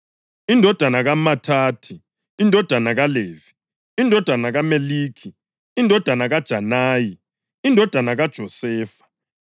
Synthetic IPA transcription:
indʱɔd̥ʱwanaɣamatʰaːtʰi | indʱɔd̥ʱanaɣaleːvi | indʱɔd̥ʱanaɣameliːkʰi | indʱɔd̥ʱanaɣad̥ʒ̥ʱanaːji | indʱɔd̥ʱanaɣad̥ʒ̥ʱɔsɛːfḁ

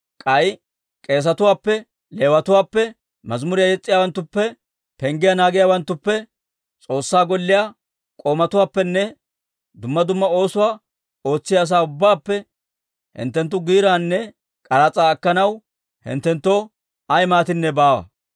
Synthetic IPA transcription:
kʼɐj | kʼe̞ːs̬ɐt̪ʊwaːpːɛ | le̞ːwɐt̪ʊwaːpːɛ | mɐzmʊɾɪjajɛt͡sʼːɪjaːwɐnt̪ːʊpːɛ | pɛŋɡɪjanaːɡɪjaːwɐnt̪ːʊpːɛ | t͡sʼo̞ːsːaːɡɔlːɪja | kʼo̞ːmɐt̪ʊwaːpːɛnːɛ | d̪ʊmːɐd̪ʊmːɐo̞ːsʊwaː | o̞ːt͡sːɪjaːs̬aːʊbːaːpːɛ | hɪ̰nt̪ːɛnt̪ːʊɡiːɾaːnːɛ | kʼɐɾat͡sʼaːkːɐnɐw | hɪ̰nt̪ːɛnt̪ːoː | ɐjmaːt̪ɪnːɛbaːwɐ̰

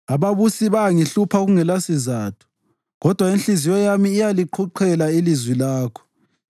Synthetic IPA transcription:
aβaβusiβaŋiɬupʰaɣuŋɛlasizaːtʰu̥ | ɣɔd̥ʱwainɬizijɔjamiːjaliǃʰuǃʰɛlailizwilaːkʰɔ̥

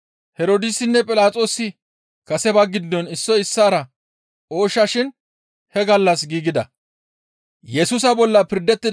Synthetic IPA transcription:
hɛɾoːd̪ɪsɪnːɛpʼɪlaːt͡sʼo̞ːsːɪ | kɐsɛbɐɡɪd̪ːɔnɪsːɔɪsːaːɾɐ | o̞ːʃɐʃɪn | hɛɡɐlːɐsɡiːɡɪd̪ɐ̰ | jɛsʊs̬ɐbɔlːɐpɪɾd̪ːɛt̪ːɪ

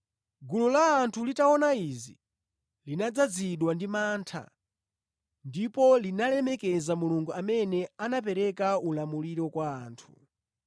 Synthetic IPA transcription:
ɡululaːntʰulitaɔnaizi | linad͡zad͡ziɗwandimaːntʰa̰ | ndipɔlinalɛmɛkɛzamuluŋɡuamɛnɛanap̬ɛɾɛkaulamuliɾɔkwaːntʰu̥

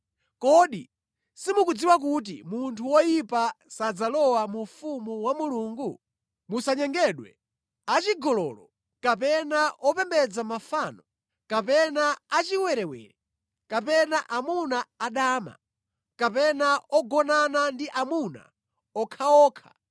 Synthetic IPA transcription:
kɔɗḭ | simukud͡ziwak̬ut̬ḭmuntʰuwɔjipasad͡zalɔwamufumuwamuluːŋɡu | musaɲɛŋɡɛɗwɛ̰ | at͡ʃiɡɔlɔlɔ | kapɛnaʔɔpɛmbɛd͡zamafanɔ | kapɛnaat͡ʃiwɛɾɛwɛ̰ɾɛ | kapɛnaʔamunaaɗaːma̰ | kapɛnaɔɡɔnanandiʔamuna̰ | ɔkʰaɔːkʰḁ̰

